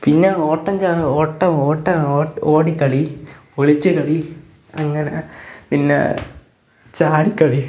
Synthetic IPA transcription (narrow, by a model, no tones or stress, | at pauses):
pinːeoːʈːɐmd͡ʑaːoːʈːɐoːʈːɐːoːɽikːɐɭioɭit͡ɕːɨkɐɭi | ɐŋːɐnepinːḛ | t͡ɕaːɽikːɐɭi